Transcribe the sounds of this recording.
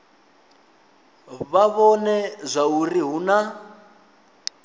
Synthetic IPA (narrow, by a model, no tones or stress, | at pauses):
βaβɔnɛzʷauriɦuna